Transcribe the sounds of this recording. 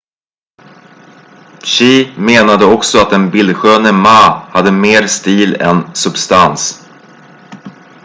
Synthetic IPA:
ɕiːmeːnad̪əɔksɔat̪̚d̪ɛnbɪlɧøːnəmaːhad̪ːəmeːɾst̪iːlɛ̰nsɵbst̪ans

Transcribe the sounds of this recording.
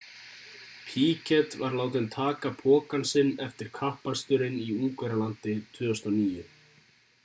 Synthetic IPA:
pʰiːcɛt̪vaɾlaːwt̪̬ɪnt̪ʰaːkapʰɔːkansɪnːɛft̪ɪɾ̥kʰahpanst̪ʏɾɪniuːkvɛɾalant̪ɪt̪ʰvʏːast̪ɔniːjʏ

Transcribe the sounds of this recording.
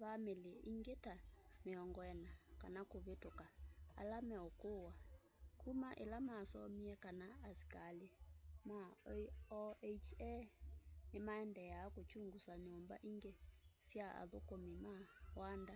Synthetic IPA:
βameleʔiŋɡetameɔŋɡɔɛnakanakoβetoka̰ːlamɛokowa | kumaʔɛ̰lamasɔmiɛkanaːsi̥kalemaɔet͡ʃɛ | nemaɛndɛjaːkot͡ʃuŋɡusaɲomba̰ʔiŋɡesiaa̰ðokomimawanda

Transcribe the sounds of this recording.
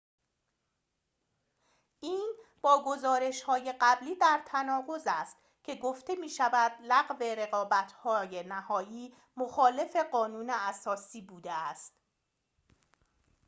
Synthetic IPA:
iːnb̥ɒːɡo̞zɒːɾe̞ʃhɒːje̞ɢæbliːd̪æɾt̪ʰænɒːʁo̞zæst̪ | cʰe̞ɡoft̪e̞miːʃævæd̪læɣve̞ɾe̞ɣɒːbæt̪ʰhɒːjenæhɒːjiː | moxɒːle̞fe̞ɢɒːnuːneæsɒːsiːbuːd̪eæst̪

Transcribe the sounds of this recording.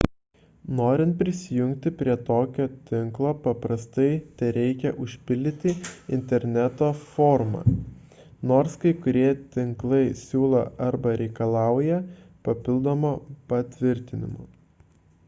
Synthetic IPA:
noːɾʲɪnt̪̚pʲɾʲɪsʲɪjʊŋʲkt̪ʲɪpʲɾʲiɛt̪oːkʲoːt̪ʲɪŋklˠoːpɐpɾɐst̪ɐɪt̪ʲɛɾʲɛɪkʲɛʔʊʃʲpʲɪlʲd̪ʲɪt̪ʲɪɪnʲt̪ʲɛɾʲnʲæt̪oːfoːɾmɑ̰ː | noːɾskɐɪkʊɾʲiɛt̪ʲɪŋklˠɐɪsʲuːlˠɐ̰ɐɾbɐɾʲɛɪkɐlˠɑˑʊjɛ | pɐpʲɪlˠd̪oːmoːpɐt̪ʲʋʲɪɾʲt̪ʲɪnʲɪ̰mo̰ː

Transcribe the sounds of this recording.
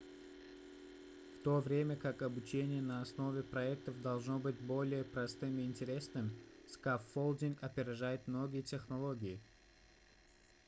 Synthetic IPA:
ft̪ovɾʲemʲəkakɐbʊt͡ɕenʲɪjənɐɐsno̞vʲɪpɾɐɛk̚t̪əfd̪ɐlˠʐnobɨtʲbo̞lʲɪjəpɾɐst̪ɨmɪɪnʲtʲɪɾʲe̞snɨmskafːolˠd̪ʲiŋkɐpʲɪɾʲɪʐajɪt̪mnoɡʲɪjətʲexnɐlˠoɡʲɪjɪ

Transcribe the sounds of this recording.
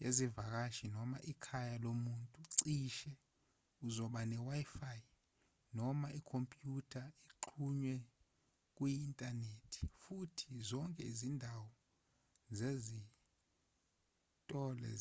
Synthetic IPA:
jezivak̬aʃinɔmaʔikʰajalomuntʼuǀiʃɛ | uzɔɓanɛwajfaj | nɔmaikʰompʼjutʰaiǃʰuɲwɛ | k̬ʼwiːntʼanetʰi̥futʰizɔŋkʼɛizindʱawɔ | zezi | tʼɔlɛ̰

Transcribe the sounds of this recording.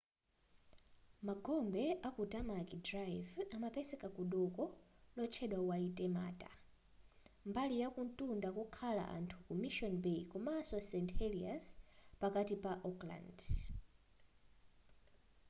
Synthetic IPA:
maɡɔmbɛʔakutamakidrajvamapɛsɛkakuɗɔkɔlɔt͡ʃʰɛɗwawaitʼɛma̰ːtʼa | mbalijakuntʼundakukʰala̰ʔa̰ntʰu̥kumiʃɔnbekumaːsɔsɛnthɛlia̰spakatipaʔɔkla̰nd

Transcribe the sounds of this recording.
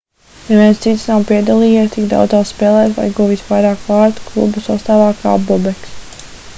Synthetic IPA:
neviɛnst̪sit̪snawpiɛd̪alˠiːjɛt̪ikd̪a̰wd̪zasspɛːlˠɛːt̪va̰jɡuvit̪vajɾaːkvaːɾt̪u̥klˠṵbusast̪aːvaːka̰ːbɔbɛks

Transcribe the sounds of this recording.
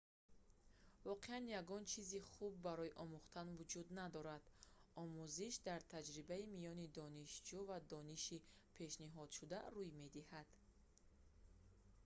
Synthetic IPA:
vɔqʰeanjaɡɔnt͡ʃʰiziχubːaɾɔjiʔɔmuχt̪ʰanvud͡ʒud̪nad̪ɔɾad̪̥ɔmuziʃd̪aɾt̪ʰad͡ʒɾibaimijɔnid̪ɔniʃd͡ʒuvad̪ɔniʃi | pʰe̞ʃniɦɔd̪̥ʃud̪aɾujme̞d̪ihad̪̥

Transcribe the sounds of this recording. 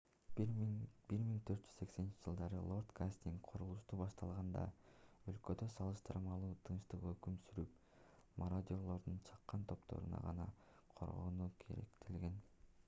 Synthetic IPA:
biɾmiŋt̪ʰøt̪̚d͡ʒy̥zse̞kse̞nint͡ʃid͡ʒɯlˠd̪ɑɾɯlˠo̞rt̪kʰasʲt̪ʲiŋkqʰoɾulˠuʃt̪uːbɑʃt̪ɑlˠʁɑnd̪ɑ̰ø̞lkø̞d̪ø̞sɑlˠɯʃt̪ɯɾmɑlˠuːt̪ʰɯnʃt̪ɯqøkymsyɾyp̚ | moɾod̪ʲiolˠo̞ɾd̪unt͡ʃʰɑ̥qːɑnt̪ʰo̞pt̪ʰo̞̰ɾṵnɑ̰ʁɑnɑ̰ | qʰo̞̰ɾʁo̰nuːkʰe̞̰ɾḛkt̪ʰilɡe̞n

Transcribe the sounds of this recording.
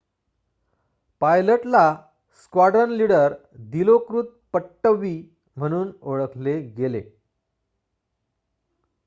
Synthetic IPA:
pajləʈla | skwaɽənliɽəɾ | d̪ilokɾuːt̪̚pəʈːəʋːi | m̤əɽ̃uːnoɭəkʰleɡelḛ

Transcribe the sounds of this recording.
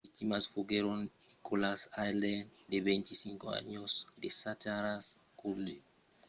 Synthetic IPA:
vik̚timasfuɡeɾonikʰolasajlɛndevɛnt̪isiŋkoa̰ɲosdesataɾas | kulːe

